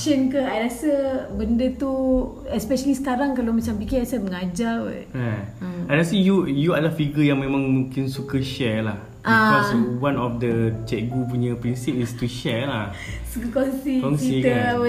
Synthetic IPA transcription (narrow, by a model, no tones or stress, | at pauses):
ʃənkəajɾasəbəndət̪u | ɛspɛʃəlisə̥kaɾaŋkalomat͡ʃampikɛasaməŋad͡ʒawə̰ɹaəãnasijujuadəlafiɡəjaŋmẽmãŋmũŋkɪnsukəʃɛlah | ʔaĩkɔswãnɔfdət͡ʃɛʔ̚ɡup̬uɲəpɾinsip̚ist̪uʃɛlah | sukəkɔŋsikɔnsiit̪ə